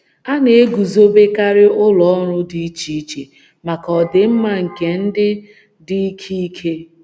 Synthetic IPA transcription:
a˦ne˨e˦ɡu˨zo˦be˦ka˦ɾɪ˦ʊ˦lɔ˨ɔ˦ɾʊ˦di˦i˦t͡ʃi˦i˦t͡ʃe˨ | ma˨kɔ˨dɪ˨m̩˦ma˦ŋ̩˨ke˨n̩˦dɪ˦ | dɪ˦i˦kʰi˦i˦kʰe˦

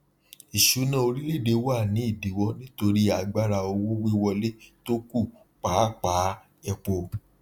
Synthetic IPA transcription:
i˨ʃu˨˦nã˦o˧ɾi˦le˦˨de˧wa˦˨nĩ˨˦i˦˨di˨˦wɔ˧nĩ˦to˧ɾi˦a˧ɡ͡ba˦ɾa˧o˧wo˦we˦wɔ˧le˦to˦ku˦˨ | k͡pa˨˦k͡paː˨˦ | ɛ˧k͡po˧

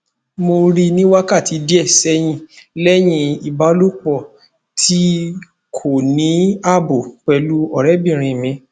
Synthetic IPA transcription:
mo˧ɾi˧nĩ˦wa˦ka˦˨ti˨˦di˦ɛ˦˨sɛ˦j̃ĩ˧lɛ˦j̃ĩ˧i˨ba˨˦lo˦k͡pɔ˦˨ | tʰi˦ | kʰo˦˨nĩ˨˦a˦˨bo˨k͡pɛ˧lu˦ɔ˦˨ɾɛ˨˦bĩ˦˨ɾ̃ĩ˧˨mĩ˨˧˦

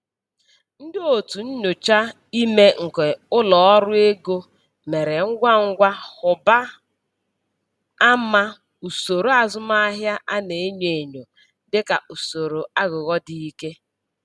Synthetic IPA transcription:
n̩˦dɪ˦o˨tu˨n̩˦ɲo˨t͡ʃa˦ | i˦me˦ŋ̩˨ke˨ʊ˦lɔ˨ɔ˦ɾʊ˦e˦ɡo˦ | me˨ɾe˨ŋ̩˦ɡʷa˦ŋ̩˦ɡʷa˦hʊ˨ba˦ | a˦ma˦ | u˨so˨ɾo˨˦a˨zʊ˦ma˦ɦja˦ʔa˦ne˨e˦ɲe˨e˨ɲo˨ | dɪ˦ka˨ʔu˨so˨ɾo˨a˦ɣʊ˨ɣɔ˦di˦i˦ke˦

